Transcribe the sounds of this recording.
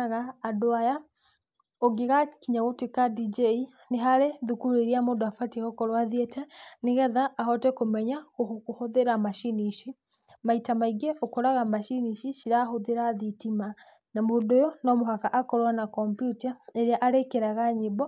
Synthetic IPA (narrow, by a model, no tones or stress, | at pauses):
ɣaːdoaja | oɡeɣakiɲaɣotekadid͡ʒei | neɦaɾeðukuɾeɾiamodoafatiɣɔkɔɾwaðiɛtʰɛneɣɛðaʔːɦɔtɛkomɛɲaokohoðeɾamaʃiniʃi | maitamaiɡɛʔɔkɔɾaɣamaʃiniʃiʃiɾaɦoðeɾaðitima | namodojɔnɔmoɦakaʔakɔɾwanakɔmpjutaeɾeaʔaɾekeɾaɣaɲibɔ